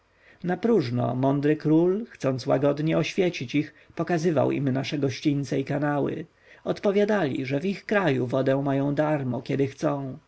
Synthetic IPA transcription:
napɾuʐnɔ̰mɔnd̪ɾɘkɾulxt̪sɔnt̪swa̰ɡɔd̪ɲɛɔɕfʲjɛt͡ɕit͡ɕix | pɔkazɘva̰wḭmnaʂɛɡɔɕt͡ɕint̪sɛikanawɘ̰ | ɔt̪pɔvʲjad̪alʲḭʐɛvixkɾajuvɔd̪ɛ̃majɔ̃w̃d̪aɾmɔkʲɛd̪ɘxt̪sɔ̃w̃

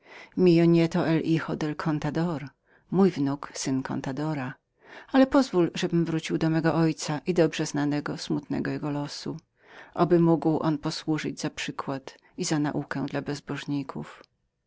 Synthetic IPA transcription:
mʲijɔɲɛt̪ɔʔɛlixɔd̪ɛlkʰɔnt̪ad̪ɔɾ | mujvnuksɘnkʰɔ̰nt̪ad̪ɔɾa | alɛpɔzvulʐɛbɘmvɾut͡ɕiwd̪ɔmɛɡɔʔɔjt̪saʔid̪ɔbʐɛznanɛɡɔsmut̪nɛ̰ɡɔjɛɡɔlɔsu | ʔa̰bɘmuɡwʔɔ̰npɔswuʐɨd͡ʑzapʂɘkwat̪ | izana̰ʔukɛ̃d̪labɛzbɔʐɲikʰṵf

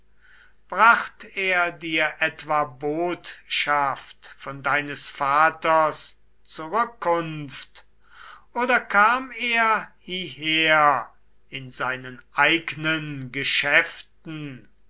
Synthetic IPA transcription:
b̥ʁaχteːɐdiːɐʔɛtv̥aːboːtʃaftfɔndaɪnəsfaːtɐs | t͡suʁʏkːʊnft | ʔoːdɐkʰaːmeːɐhiɦeːɐɐ | ɪnzaɪnənʔaɪɡnənɡəʃɛftn̩

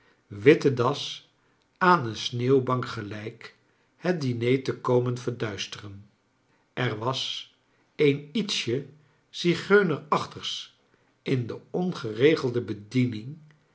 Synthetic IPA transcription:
ʋɪtədɑs | aːnənsneːwbɑŋkχəlɛjk | hət̚dinejtəkowmənvəɹdœɥstərən | ʔɛrʋɑs | ejnitsə | siχøɥnərɑχtəʁs | ʔɪndəɔnχərejχəlˠdəbədinɪŋ

